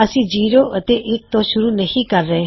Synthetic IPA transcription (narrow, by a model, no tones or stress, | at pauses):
əsĩːd͡ʒiːɾoːʔət̪eːʔɪk̚t̪õːʃʊɾuːnəhĩːkəɾːəɦeː